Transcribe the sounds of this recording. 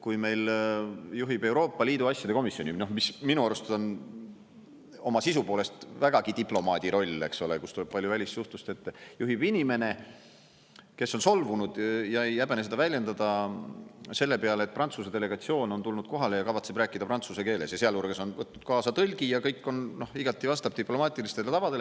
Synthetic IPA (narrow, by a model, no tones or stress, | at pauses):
kujme̞jl | juɦib̥e̞wɾo̞ːpˑːɑlʲiːd̪uɑsʲjɑd̪e̞ko̞misio̞nʲino̞hmisminuɑɾust̪o̞n | o̞mɑsisupo̞ːle̞st̪væɡ̥ɑɡ̥id̪̥iplo̞mɑːd̪̥ʲiɾo̞lʲːe̞̰kso̞lekust̪ule̞b̥̚pɑlʲjuvælʲist̪suht̪ust̪e̞t̪ːˑjuɦib̥inʲime̞ne̞ | ke̞sːo̞nso̞lvunud̪̥jɑejæbenes̬e̞d̪ɑvælʲje̞nd̪ɑd̪̥ɑ | se̞lːe̞peɑlet̪̚prɑnt̪sused̪e̞le̞ɡ̥ɑt̪sio̞ːno̞nt̪ulnud̪̥ko̞ɦɑle̞jɑkɑvɑt̪se̞b̥ɾæːkːˑid̪ɑprɑnt̪suseke̞ːle̞sjɑseɑlurɡ̥eso̞nvɤt̪ːnud̪̥̚kɑːsɑt̪ɤlʲɡ̥ijɑkɤjkːˑo̞nno̞hiɡ̥ɑt̪ʲːˑivɑst̪ɑb̥̚t̪iplo̞mɑːt̪ʲˑilist̪e̞let̪ɑvɑd̪e̞le